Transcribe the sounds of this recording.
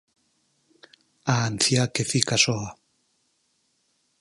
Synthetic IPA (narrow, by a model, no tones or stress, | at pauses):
aːnθjakeθikasoa